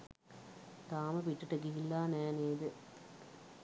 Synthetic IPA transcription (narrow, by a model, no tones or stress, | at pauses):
t̪aːməpiʈːɐʈəɡiɦilːaːnæːneːd̪ə